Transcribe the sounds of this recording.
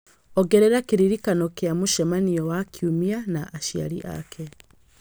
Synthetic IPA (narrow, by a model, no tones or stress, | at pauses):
ɔɡɛɾeɾakeɾiɾikanɔkeamuʃɛmaniɔwakʰiumianaʔaʃia̰ɾḭʔa̰kʰɛ